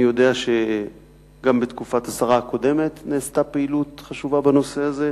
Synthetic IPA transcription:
ijo̞de̞aʃe̞ | ɡambetkufathasaʁako̞de̞me̞tneːstapeilutχaʃuvabano̞se̞aze̞

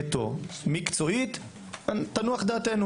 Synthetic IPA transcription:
t̪o̰mikt͡so̞it̪ | at̪anuaχd̪at̪enu

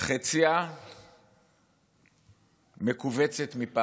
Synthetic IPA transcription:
χet͡sia | mekuvet͡set̪mipa

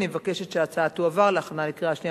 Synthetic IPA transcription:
nimevakeʃetʃeat͡saathuavaʁleaχanalikʁeaʃni

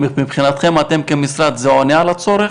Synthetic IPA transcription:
mipχinat̪χe̞mat̪e̞mkemisɾad̪zeonaːlat͡so̞ɾe

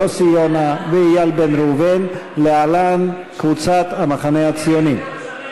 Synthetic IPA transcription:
osijonaveijalbenɾuvenlealan | kvut͡sat̪hamaχanehat͡sijonim

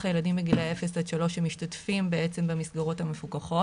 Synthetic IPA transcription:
χaje̞ladimbeɡileefesatʃalo̞ʃemiʃtatfimbeet͡se̞mbemisɡaʁo̞thamefukaχo̞

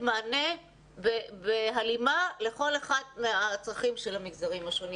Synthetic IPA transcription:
maːne̞ | bebealimale̞χo̞leχad̪̚meat͡sʁaχimʃe̞lhamiɡzaʁimaʃo̞ni

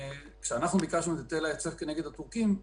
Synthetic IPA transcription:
kʃeanaχnubikaʃnuet̪at̪elajet͡se̞fkene̞ɡe̞d̪at̪ukim

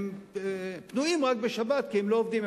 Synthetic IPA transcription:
m | pnuimʁak̚beʃabat̪kiemloovd̪im

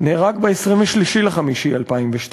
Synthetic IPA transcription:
neːʁakbeesʁimveʃliʃileχamiʃialpaimveʃt

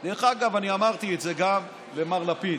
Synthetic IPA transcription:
d̪eʁeχaɡavaniamaʁt̪ietze̞ɡam | lemaʁlapid

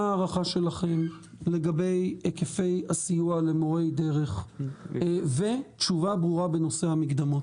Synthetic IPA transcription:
aːʁaχaʃe̞laχem | le̞ɡabe̞jekefe̞jasijualemo̞ʁe̞jd̪e̞ʁe̞χ | ve̞t̪ʃuvabʁuʁabeno̞sehamikd̪amot

